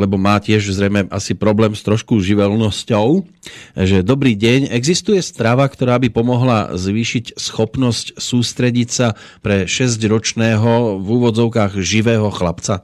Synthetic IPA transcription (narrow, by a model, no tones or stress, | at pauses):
lɛbɔmaːcɪɛʒzɾɛjmɛʔa̰sipɾɔblɛːmst̪ɾɔʃkuʒiʋɛlnɔscɔʊ | ʒɛd̪ɔbɾiːɟɛɲɛɡzist̪ujɛst̪ɾaʋakt̪ɔɾaːbipɔmɔɦla̰zʋiːʃicsxɔpnɔscsuːst̪ɾɛɟicsa | pɾɛʃɛzɟɾɔt͡ʃnɛːɦɔvuːʋɔd͡zɔʊkaːɣʒiʋɛːɦɔxlapt͡sa